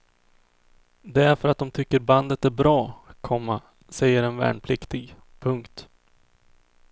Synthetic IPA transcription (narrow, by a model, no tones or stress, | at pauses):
d̪ɛæɾfœɾat̪̚d̪ɔmt̪ʰʏkːəɾband̪ət̪æɾbɾɑːkʰɔmːa | sɛjːəɾɛnvæ̰ːɳpʰlɪkt̪ɪɡ | pʰɵŋkt̪